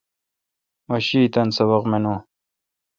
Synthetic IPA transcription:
mɐɕiːt̪ɐnsɐβɐqmenõː

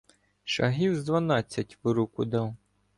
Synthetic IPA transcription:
ʃɐɦiwzd̪ʋɐnɑt͡sʲːɐtʲʋʊɾukʊd̪ɑw

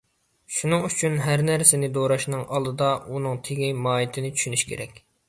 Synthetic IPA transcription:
ʃunɨŋyt͡ʃʰynɦæɾnæɾsɪnɪd̪oɾɑʃnɨŋʔɑlˠd̪ɨd̪ɑunɨŋt̪ʰeɡʲimɑːjit̪ʰɪnɪt͡ʃʰy̥ʃynyʃkʲʰḛɾɛ̰kʲ

